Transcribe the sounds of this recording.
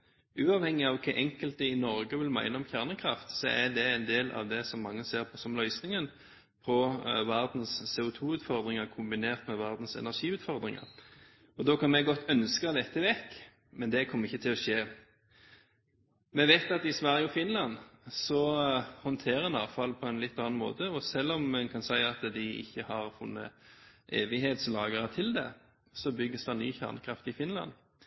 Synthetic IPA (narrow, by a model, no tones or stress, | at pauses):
ʉːɑʋhɛŋːɪɑʋkʰɛʔɛŋkəlt̪əɪnɔɾɡəʋɪlmæ̰ɪnəɔmçæʁnəkʰʁɑft̪sɔæd̪ɛɛnd̪eːlɑ̰ʋd̪ɛsɔmːɑŋːəseːɾpʰɔsɔmlœʏsnɪŋən | pʰɔʋæʁd̪n̩sːeːʊt̪ʰuːʉːt̪fɔʁd̪ʁɪŋɑkʰʊmbɪneːʁt̪mɛʋæʁd̪n̩sɛ̰næʁʂiːʉːt̪fɔʁd̪ʁɪŋɑ̰ɾ | ɔd̪oːkʰɑnmɛɡɔt̪ʰːœnskəd̪ɛt̪ʰːəʋɛkː | mɛnd̪ɛkʰɔmːʁɪçːət̪ʰɪlɔʃeː | mɛʋæɪt̪ɑt̪ɪsʋæɾjəɔfɪnlɑnsɔhɔnt̪ʰeːʁəɛnɑ̰ːʋfɑlːpʰɔɛnlɪt̪ːɑnɑnmo̰ːt̪əɔsɛlːɔmmɛnkʰɑnsæɪɑt̪d̪ɪɪ̰çːəhɑʁfʊnːə̰ʔeːʋɪɦeːt̪slɑːɡəɾət̪ʰɪld̪ɛ̰ | sɔbʏɡːəsd̪ɑnyːçæ̰ʁnəkʰʁɑft̪ɪfɪnlɑ̰n